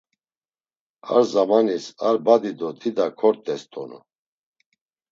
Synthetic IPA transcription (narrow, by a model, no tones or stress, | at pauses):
a̰ɾzamanisaɾbad̪id̪ɔt̪ʰid̪akʰɔɾt̪ʼɛst̪ʰʼɔ̰nṵ